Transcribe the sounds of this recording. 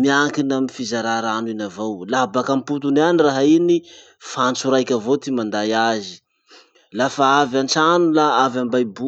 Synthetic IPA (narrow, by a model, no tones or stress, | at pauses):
miaŋkinamifizaɾaɾaninavowlaɦabakamput̪unaniraɦaini | fant͡suɾajkʲəvot̪imand̪ajazi̥ | lafaavant͡sanulaavambajbu